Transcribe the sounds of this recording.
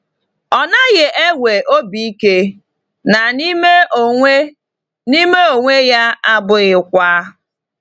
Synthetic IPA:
ɔ˨na˦ɣe˨ʔe˦wʷe˨ʔo˦bi˦i˦ke˦ | na˨ni˦me˦˨e˦ | ni˦me˦o˨ŋʷe˦ja˦a˦bʊ˦ɣɪ˨kʷa˦

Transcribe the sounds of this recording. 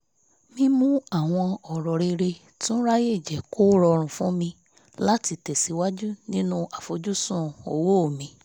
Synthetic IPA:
mĩ˦mũ˦a˦˨w̃ɔ̃˧ɔ˨ɾɔ˨ɾe˧ɾe˧ | tũ˦ɾa˦je˦˨d͡ʒɛ˨kʰo˦ɾɔ˧ɾ̃ũ˨fũ˦mĩ˧ | la˦ti˧tɛ˨si˨˦wa˦d͡ʒu˦nĩ˦nũ˧ʔa˨fo˨˦d͡ʒu˦sũ˦˨o̰˨wo˦o˦˨mĩ˧˦

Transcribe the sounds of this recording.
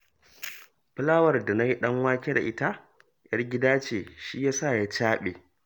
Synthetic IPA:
pɨ˦laː˦wɐ˨rda˨na˦ji˦ɗɐ˦ŋwaː˦kʲe˦da̰˨ʔɪ˦ta˦ | jɐ˦rɡʲɪ˦daː˦t͡ʃeː˨ʃi˦jaː˦sa˦˨ja˦t͡ʃaː˦ɓḛː˨

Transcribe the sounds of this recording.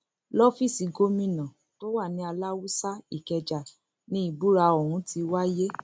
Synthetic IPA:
lɔ˦fi˦˨si˨ɡo˦mĩ˦˨nã˨ | to˦wa˦˨nĩ˨˦a˧la˦wu˦sa˦i˦˨kɛ˧d͡ʒa˨ | nĩ˦i˦˨bu˦ɾa˧o˨ɾ̃ũ˨˦ti˧wa˦je˦

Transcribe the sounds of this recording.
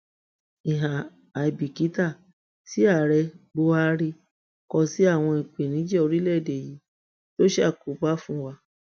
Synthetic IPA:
i˨ɦã˨ | a˨i˨bi˨ki˨˦ta˦˨ | si˨˦a˦˨ɾɛ˧ɡ͡bo˧˦a˦˧˦ɾi˧ | kɔ˧si˦a˦˨w̃ɔ̃˧i˨k͡pe˨nĩ˨˦d͡ʒɛ˦o˧ɾi˦lɛ˦˨de˨ji˨˦ | to˦ʃe˦a˦˨ku˨˦ba˦fũ˦wa˧

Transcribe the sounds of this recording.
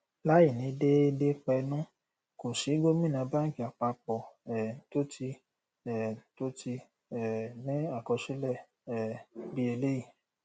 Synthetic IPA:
la˦ji˦˨nĩ˨˦de˦i˧de˦k͡pɛ˧nũ˦ | ko˨ʃi˨˦ɡo˦mĩ˦˨nã˨˦ba˦ŋ̩˦ki˨a˨k͡pa˧k͡pɔ˨ɛ˨to˦ti˧ | ɛ˨to˦ti˧ | ɛ˨nĩ˦a˦˨kɔ˧ʃi˦lɛ˦˨ | ɛ˨bi˦e˧le˦ji˦˨

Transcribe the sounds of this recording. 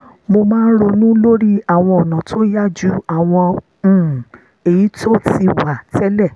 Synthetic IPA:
mo˧mãː˦n̩˦ɾo˧nũ˦lo˦ɾi˦a˦˨w̃ɔ̃˧ɔ˨nã˨tʰo˦ja˦˨d͡ʒu˦a˦˨w̃ɔ̃˧˨ | e˨ji˨˦to˦ti˧wa˨tɛ˦lɛ˦˨

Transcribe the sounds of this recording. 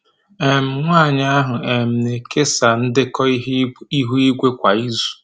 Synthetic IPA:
e˨m̩˨ŋʷaː˦˨ɲa˦a˦ɦʊ˨e˨m̩˨ne˨kʰe˦sa˨n̩˦dɪ˦kɔ˦i˦ɦu˦i˦ɡʷe˦kʷa˨i˦zu̥˨

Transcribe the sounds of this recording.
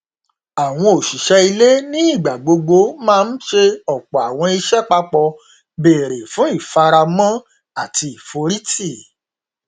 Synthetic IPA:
a˨w̃ɔ̃˧o˨ʃi˨ʃɛ˧i˧le˦nĩ˦i˦˨ɡ͡ba˨ɡ͡bo˧ɡ͡bo˧mãː˦˧˦n̩˦ʃe˧ɔ˨k͡pɔ˨a˨w̃ɔ̃˧i˧ʃɛ˦k͡pa˧k͡pɔ˧ | be˨ɾe˨fũ˨˦i˦˨fa˧ɾa˧mã˦ | a˦˨ti˧i˨fo˧ɾi˦ti˦˨

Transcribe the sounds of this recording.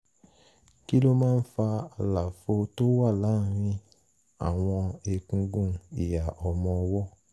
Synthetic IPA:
ki˦lo˦mãː˦˧n̩˦fa˧a˨la˨fo˧to˦wa˦˨la˨˦˨ɾ̃ĩ˧ | a̰˨w̃ɔ̃˧e˧kũ˧ɡũ˧˨i˨ja˨ʔɔ˨mɔ̃˧wɔ˦

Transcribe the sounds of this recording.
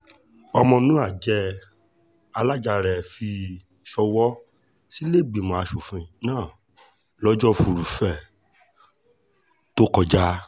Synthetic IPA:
ɔ˧mɔ̃˧nũ˦a˦˨d͡ʒɛ˧ | a˧la˦˨d͡ʒa˧ɾɛ˨fi˧ | ʃɔ˧wɔ˦ | si˦le˦˨bi˨mɔ̃˨a˧ʃo˨fĩ˧˦˨nãː˦˨ | lɔ˦d͡ʒɔ˦fu˨ɾu˨fɛ˨ | to˦kɔ˧d͡ʒa˦

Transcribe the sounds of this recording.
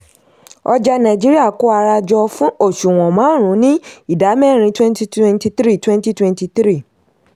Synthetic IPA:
ɔ˧d͡ʒa˧nã˨d͡ʒi˦ɾi˦a˦˨ko˦a˧ɾa˧d͡ʒɔ˧fũ˦o˦˨ʃu˨w̃ɔ̃˨mã˨˦ɾ̃ũ˨˦nĩ˦i˦˨da˨˦mɛ˦˨ɾ̃ĩ˧twɛ̃˦nti˦twɛ̃˦nti˧t̪ɾi˦˨twɛ̃˦n˦ti˦twɛ̃˧nti˧t̪ɾi˦˨

